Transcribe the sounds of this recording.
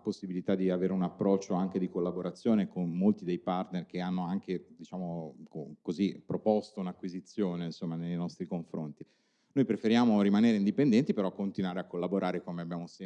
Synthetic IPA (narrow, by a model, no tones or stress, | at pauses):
posːibilit̪ad̪iaveːɾeunapːɾɔt͡ʃːoaŋked̪ikolːaboɾat̪sːjoːnekonːolt̪id̪ejpart̪nerkeanːoaŋk̟ed̪it͡ʃaːmokokozipːɾopɔst̪ounakːwizit̪sːjoːneinsomːanejnɔst̪ɾikoɱfɾo̰nt̪i | nojpɾefeɾjaːmoɾimaneːɾeind̪ipend̪ɛnt̪ipeɾɔkːont̪inwaːɾeakːolːaboɾʔaːɾekomeabjaːmos